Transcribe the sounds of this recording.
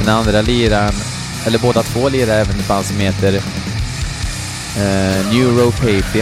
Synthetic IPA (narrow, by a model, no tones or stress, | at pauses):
ɛnand̪ɾaliːɾan | ɛlːəɾboːd̪at̪ʰv̥oːliːɾaɛːvənd̪ɛfansːɔmheːt̪əɾ | njʉːɾopʰeɪpɪ